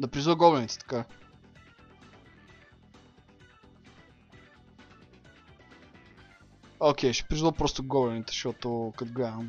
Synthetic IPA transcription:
d̪ɐpɾizvəɡɔbɛnit̪ɛ̥t̪ɐ̥ka | okʲɛjʃi̥pɾizvəpɾɔst̪oɡɔbɛnit̪ɛ̥ʃɔt̪okat̪ɡlʲaəm

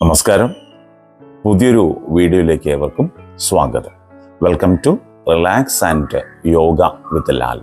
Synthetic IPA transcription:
nɐmɐskaːɾɐm | puðijo̞ɾuʋiːɽijojile̞ːkːeːʋɐrkumswaːɡɐt̪ɐm | ʋelkɐmtu | rilaːksandɨjoːɡɐʋit̪ːɐlːa̰ːlɐ

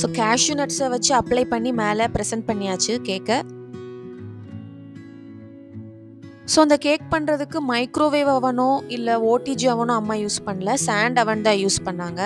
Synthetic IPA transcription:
soːkaːʃjunɐʈsɐʋɐt͡ʃːɯɐplɐɪpɐɳːimeːlɐpɾɛsɐɳʈ̚pɐɳːɪjaːt͡ʃːɯkeːkːɐ | soːɐnd̪ɐkeːk̚pɐɳɾɐðɯkːɯmɐɪkɾoːʋeːʋɐʋɐnʊ̃ɪlːɐoːʈiːd͡ʒɐʋɐnʊ̃ɐmːaːjuːspɐɳːlɐsaːɳɖɐʋɐɳd̪ãːjuːspɐɳːaːŋɡɐ

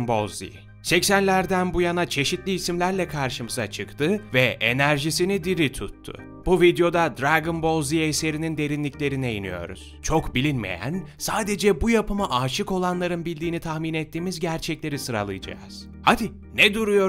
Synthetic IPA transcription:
nbozḭ | sɛcsænlʲæɾd̪ænbujanat͡ʃʰe̞ʃit̪lʲiːsimlʲæɾlʲɛkʰaɾʃɯmɯza̰t͡ʃʰɯkt̪ʰɯvɛʔḛnæɾʒisinid̪iɾit̪ʰut̪ʰːʊ̰ | b̥uvid̪jo̞d̪ad̪ɾaɡɯnbo̞ziese̞ɾinind̪e̞ɾinlʲiclʲe̞ɾinɛiny̰jo̞̰ɾṵz̥t͡ʃʰo̞kbilʲinmḛjæ̰nsaːd̪e̞d͡ʒɛbujapɯmaʔaʃɯko̞lˠanlˠaɾɯnbilʲd̪iːnit̪ʰaxminet̪ʰːiːmizɟæɾt͡ʃʰɛclʲe̞ɾisɯɾa̰lˠɯ̰jd͡ʒa̰ːz̥ | had̪i | nɛd̪uɾujo̞ɾ

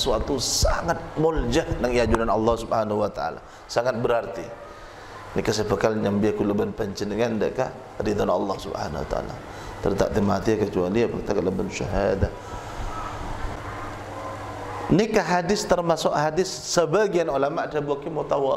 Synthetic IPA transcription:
suat̪usaŋat̪̚mʊld͡ʒahdaŋiad͡ʒunanɑlːɑhsubhanahuwat̪aa̰la̰ | saŋat̪̚bəɾart̪i | nikasəpəkalɲambiakuləbanpəɲt͡ʃənəŋandaʔka | ɾid̪ɔnɑlːɑhsubha̰na̰wa̰t̪a̰a̰la̰ | t̪ə̰rt̪a̰ʔ̚t̪imat̪iakət͡ʃualiapakt̪akələbanʃa̰ɦadah | nikaɦadɪst̪ərmasʊkhadɪsːəbaɡianulamadabuakimut̪awa

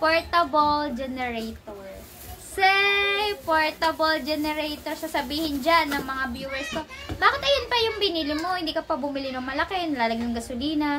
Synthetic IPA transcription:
poɹt̪ɐbold͡ʒɛnɛɹɛjt̪oɹ | sɛpoɹt̪ɐbold͡ʒɛnɛɾɛjt̪oɹsasɐbiːhɪnd͡ʒanːɐŋmɐŋabjuːwɛɹsk̪obaːkɪt̪ʔɐjonpɐjʊŋbɪniːlɪŋmo̞hɪnd̪iːkɐpɐbʊmɪlɪnʊŋmɐlɐkenlaːlɐɡnʊŋɡɐsʊliːnɐ

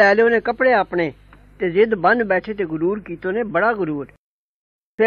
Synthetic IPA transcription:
ɛːleoːnẽːkəpɽeːaːpɳeː | t̪eːzɪd̪bə̃nd̪bɛːʈʰeːt̪̬eːɡʊɾuːɾkiːt̪oːnẽːbəɽaːɡʊɾuːɾ | pʰɪ

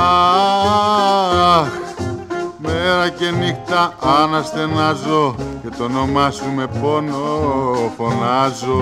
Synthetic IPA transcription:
ɐ | meɾɐce̞nixt̪ɐɐnɐst̪e̞nɐzoce̞t̪o̞no̞mɐsume̞ponofo̞nɐzo

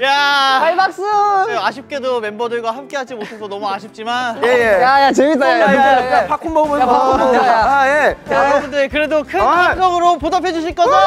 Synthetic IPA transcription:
jaaɭmak̚s͈ɯaɕ̬ʰip̚k͈e̞dome̞mbʌdɯɭɡwaɦamk͈e̞ɦad͡ʑimotʰesʰʌnʌmuaɕʰip̚t͡ɕ͈imanjejejajat͡ɕeɡit͈aaeapʰakʰombʌmɯao | jeaɯɾʌmɯndekɯɾe̞dokʰɯad͡ʑʌɡɯɾopodapʰed͡ʑuɕ̬ʰiɭk͈ʌa

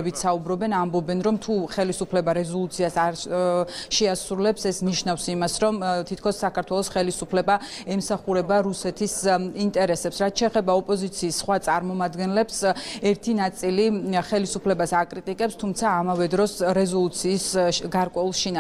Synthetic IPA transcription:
bit̪saubɾɔbɛnambɔbɛnɾɔmt̪ʰuχɛlisupʰlɛbaɾɛzɔlˠut̪sʰiasaɾ | ʃɛasɾulɛpsɛsniʃnafsimasɾɔmt̪ʰit̪ʰkʰɔsːakʰaɾt̪ʰwɛlˠɔsχɛlisupʰlɛbaɛmsaχuɾɛbaɾusɛt̪ʰisint̪ʼɛɾɛsɛpsɾat̪̚ʰt͡ʃʰɛːχɛbaɔpʼɔzit̪sʰiːsːχwat̪sʼaɾmɔmad̪ɡɛnlɛpsɛɾt̪ʰinat̪sʼiliχɛlisupʰlɛbasakʼɾit̪ʼikʼɛpst̪ʰumt̪sʰaːmavɛd̪ɾɔsɾɛzɔlˠut̪sʰiːsɡaɾkʼwɛulˠʃina

